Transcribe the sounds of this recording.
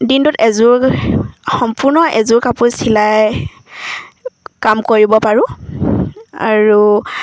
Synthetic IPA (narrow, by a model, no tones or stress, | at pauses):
dintutɛzʊɹ | xɔmpʊɹnɔʔɛzʊɹkapusilaj | kamkoɹibɔpaɹʊ̃ | a̰ɹu